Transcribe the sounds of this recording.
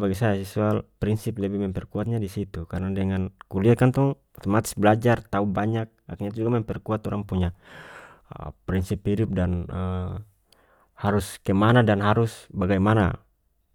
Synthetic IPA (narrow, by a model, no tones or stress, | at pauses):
baɡɛsajasɛsualpɾinsip̚lɛbɛmɛmpɛrkuat̪̚ɲadisit̪ukaɾnadɛŋankuliat̪̚kant̪ɔŋ | t̪ɔmat̪isbɛlad͡ʒart̪aubaɲak̚akɲat̪̬ud͡ʒuɡamɛmpɛrkuat̪ɔɾaŋpuɲa | pɾinsiphidup̚danə | haɾuskɛmanadanɦaɾusbaɡajmana̰